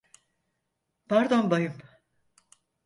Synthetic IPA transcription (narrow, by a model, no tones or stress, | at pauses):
pʰæɾd̪onbajɯm